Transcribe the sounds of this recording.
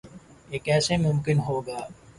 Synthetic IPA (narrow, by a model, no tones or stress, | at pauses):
eːkɛːsemʊmkɪnɦoːɡaː